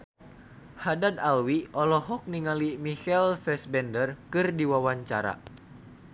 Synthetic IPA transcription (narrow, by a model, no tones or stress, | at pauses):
hadad̪alwiʔɔlɔɦɔk̚niŋalimixɛlfɛsbɛndərkɨrdiwawaɲt͡ʃa̰ɾa̰